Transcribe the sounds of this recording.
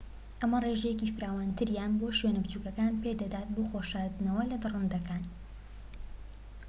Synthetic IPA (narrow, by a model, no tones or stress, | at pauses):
ʔɐmɐreʒɛjecifɨɾaːwaːnt̪ʰɨɾjanboːʃɥenɨbt͡ʃuːkɐkaːnped̪ɐd̪aːt̪̚boxoʃaɾd̪ɨnɐwɐlɐd̪ɨrund̪ɐkaːn